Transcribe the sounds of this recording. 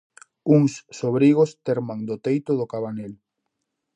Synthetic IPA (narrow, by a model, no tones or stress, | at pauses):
uŋsːoβɾiɣ̞ost̪eɾmaŋd̪ʊt̪ejt̪ʊðʊkaβanel